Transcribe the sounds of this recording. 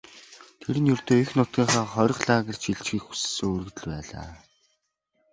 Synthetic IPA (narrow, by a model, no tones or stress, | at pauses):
t̪ʰeɾɘ̆njɵrt̪oːixnʊt̪̚ɡʲiːɴχaːχɔɾ̆ʲqɮaːɣə̆r̥t͡ɕʰiɮt͡ɕɡiːkxu̥ssoːoːrɵ̆ɣt̪ɘ̆ɮpæːɮa̰ː